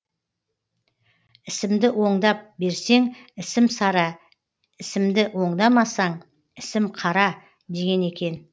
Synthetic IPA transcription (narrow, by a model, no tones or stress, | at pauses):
ɪsɪmd̪ɪʔwʔo̞ɴd̪ɑp̚be̞ɾse̞ŋɪsɪmsɑɾɑ | ɪsɪmd̪ɪwo̞ɴd̪ɑmɑsɑɴ | ɪsɪmqʰɑɾɑ | d̪e̞ɡʲe̞ne̞kʲe̞n